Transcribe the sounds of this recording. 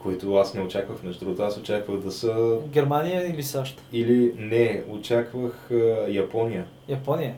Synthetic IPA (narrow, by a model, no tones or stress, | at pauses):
koit̪ʊasnɛot͡ʃakvəxmnɛʒd̪ɾuɡot̪asot͡ʃakvəɣd̪ɐsəɡʲɛɾmanijəilisaʃt̪ə̥ilinɛot͡ʃakvəxjɐpɔnijə | jɐpɔnijə